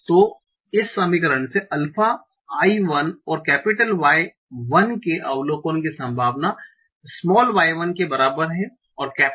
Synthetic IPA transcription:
t̪oː | ɪsːɐmikəɾəɳ̃seʔɐlfʰa | aːiʋɐnɔːɾkɛːpɪʈəlʋaːe | ʋɐnkeʔɐʋloːkoːnkisɐ̃mbʱaːʋna | smɔːlʋaːeʋənkebɐɾaːbəɾɦɛ̃ | ɔːɾkɛː

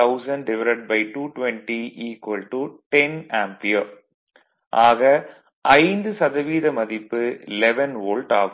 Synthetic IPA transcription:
ɐʊsɐɳɖɾɪʋɐɾɐʈ̚bɐɪʈuːʈʋɛɳʈiʔiːkʋɐlʈuʈɛnaːmpioː | ʔaːɣɐ | ʔɐɪnd̪ɯsɐðɐʋiːðɐmɐðɪpːɯlɛʋɐnʋoːlʈaːɣ

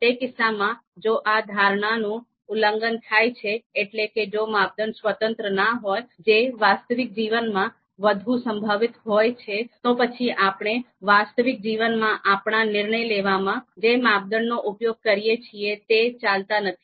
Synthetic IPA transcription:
t̪ekɪsːamã | d͡ʒoʔad̪ʱaɾɳ̃anũ | uləŋɡənt̪ʰajt͡ʃʰeːʈleked͡ʒomap̚d̪ənsʋət̪ənt̪ɾənaɦojd͡ʒeʋast̪əʋik̚d͡ʒiʋənmã | ʋəd̪ʱũsəmbʱaʋɪt̪ɦojt͡ʃʰet̪opət͡ʃʰiʔapɳ̃e | ʋast̪əʋik̚d͡ʒiʋənmãʔapɳanɪɾɳəjleʋamãd͡ʒemap̚d̪ənːoʔupjoɡ̚kəɾijet͡ʃʰiet̪et͡ʃalt̪anət̪ʰi̥

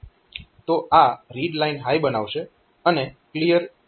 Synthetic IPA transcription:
t̪oʔaɾiɖlainɦajbənaʋʃe | əneklijəɾ

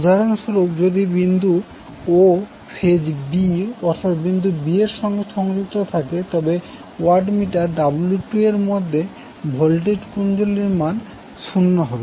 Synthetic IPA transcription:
ud̪ʱaɾanʃɔɾokd͡ʑod̪ibind̪ʱu | o | pʰed͡ʑbiɔɾt̪ʰat̪bind̪ʱubieɾʃɔŋɡeʃɔŋd͡ʑutt̪ːɾot̪ʰaket̪ɔbe | waɾɖmiʈaɾɖabuljuʈueɾmɔd̪ʱːe | bʱɔlʈ̬eʈkund͡ʑolːiɾman | ʃunːoɦɔbe

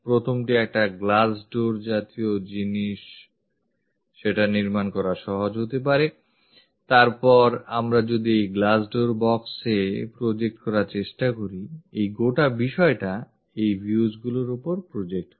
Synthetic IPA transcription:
pɾot̪ʰomʈiɛk̚ʈaɡlasɖoɾd͡ʑat̪iod͡ʑiniʃ | ʃeʈaniɾmankɔɾaʃɔɦod͡ʑɦot̪ep̬aɾe | t̪aɾpɔɾamɾad͡ʑod̪iejɡlasɖoɾbɔksepɾod͡ʑek̚ʈkɔɾaɾt͡ɕeʃʈakoɾiejɡoʈabiʃɔeʈa | ejbʱjud͡ʑɡuloɾopoɾpɾod͡ʑek̚ʈ

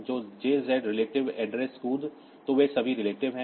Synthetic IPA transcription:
d͡ʒoːd͡ʒeːzɛːɖɾɪleːʈɪʋɛːɖɾeskuːl | t̪oʋesɐbʱiɾɪleːʈɪʋɦɛ̃

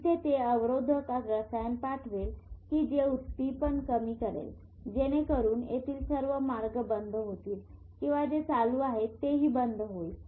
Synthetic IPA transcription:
t̪ʰet̪eəʋɾod̪ʱəkat̪ɾəsajanpaʈʰʋelkiːd͡ʑeut̪pipəɳkəmiːkəɾḛl | d͡ʑeɽ̃ekəɾuːnet̪ʰiːlsəɾʋəmaɾɡəbənd̪ʱəɦot̪iːl | kĩw̃ʋad͡zet͡saluaɦet̪ːeɦiːbənd̪ʱəɦoi

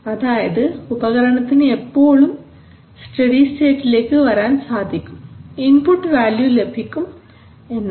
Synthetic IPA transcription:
ɐðaːjɐðɨubɐɣɐɾɐɳɐt̪ːinɨepːo̞ːɭum | sʈɐɽiste̞ːʈːile̞ːkːɨʋɐɾaːnsaːd̪ʱikʲːuminpuʈːɨʋaːljule̞bʱikʲːum | e̞nːɐ

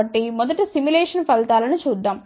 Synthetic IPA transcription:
ɐʈːimɔd̪ɐʈːusimjuleːʂɐnpɐlt̪aːlɐnut͡ʃuːd̪ːaːm

